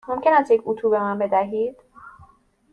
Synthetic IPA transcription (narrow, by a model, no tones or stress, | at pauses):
mo̞mcʰe̞næst̪jecʰʲut̪ʰuːbe̞mænbe̞d̪æɦiːd̪̥